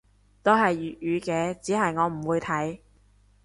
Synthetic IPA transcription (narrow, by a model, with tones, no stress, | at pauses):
t̪o˥ɦɐ˨jjyː˨t̚jyː˨˧kɛː˨˧t͡siː˨˥ɦɐ˨jŋɔː˨˧m̩˨˩wuː˨˧jt̪ʰɐ˨˥j